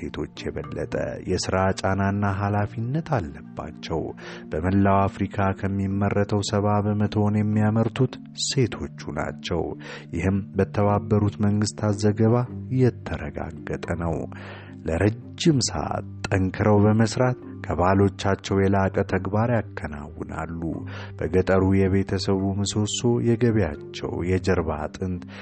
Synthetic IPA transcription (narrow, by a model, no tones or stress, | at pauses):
se̞t̪ʰo̞t͡ʃːjɛβəlːə̰t̪ʼə̰jɛsɨɾat͡ʃʼananːaɦalafinːət̪ʰalːəbːa̰t͡ʃːɛw | b̥əməlːawafɾikʰakʰəmːimːərːət̪ʰəwsəβabəmət̪ʰonjɛmːijaməɾt̪ʰut̪ | se̞t̪ʰo̞t͡ʃːuna̰t͡ʃːɛ̰w | jɪhɨmbət̪ʰəβabːəɾut̪məŋɡɨst̪ʰat̪zəɡəβajɛt̪ʰːəɾəɡa̰ɡːət̪ʼənəw | ləɾəd͡ʒːɪmsə̰ʔa̰t̪ːʼəŋkʰɨɾəwbəməsɾat̪ | kʰəβalo̞t͡ʃːat͡ʃːɛwjɛlakʼət̪ʰəɡbaɾjakʰːəna̰wːɨna̰lːṵ | b̥əɡət̪ʼəɾujɛβe̞t̪ʰəsəβumɨso̞so̞jɛɡəβjat͡ʃːɛ̰wjɛd͡ʒəɾβa̰t̪ʼɨnd̪